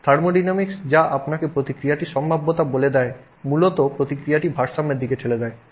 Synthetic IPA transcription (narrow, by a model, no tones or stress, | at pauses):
t̪ʰaɾmoɖinamiksd͡ʑaʔapnakepɾot̪ikɾijaʈiʃɔmbʱabːot̪aboled̪ɛe | mulot̪opɾot̪ikɾijaʈibʱaɾʃamːeɾd̪ʱiket͡ɕʰeled̪ɛe